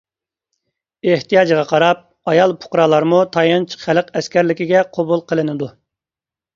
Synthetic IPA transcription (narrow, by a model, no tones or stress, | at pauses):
eht̪ijɑːd͡ʒɨʁɑqʰɑɾɑp̚ | ɑjɑlˠpʰʊ̥qɾɑlˠɑɾmut̪ʰɑjɑnt͡ʃʰə̥χælɨqɛskʲʰæɾlɪkʲiɡʲɛqʰobulˠqʰəlˠɨnɨd̪u